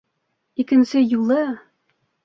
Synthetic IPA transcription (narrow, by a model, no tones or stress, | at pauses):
ikɘ̆nsɘjulˠɤ